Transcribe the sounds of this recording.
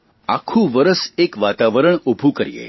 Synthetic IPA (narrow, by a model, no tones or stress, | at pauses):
a̰kʰũʋəɾəsekʋat̪aʋəɾəɳobʱukəɾjḛ